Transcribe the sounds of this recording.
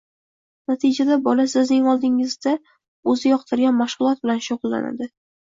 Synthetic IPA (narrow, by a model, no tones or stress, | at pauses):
nat̪ʰɪd͡ʒad̪abɒlasɪznɪŋɒlˠd̪ɪŋɪzd̪a | ɵzɪjɒqt̪ʰɪɾɡʲanmaʃʁʊlˠɒt̪̚bɪlanʃʊʁʊlˠːa̰na̰d̪ɪ